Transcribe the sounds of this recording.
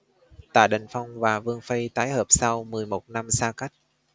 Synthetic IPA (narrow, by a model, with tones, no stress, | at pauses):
t̪a̰ː˧˨jɗə˨˩ŋ̟fa˧wŋ͡mvaː˨˩vɨ˧əŋfə˧jt̪aː˨˦jhəː˨˩p̚sa˧wmɨ˨˩əjmo˨˩t̚na˧msaː˧ka˦˥jk̟̚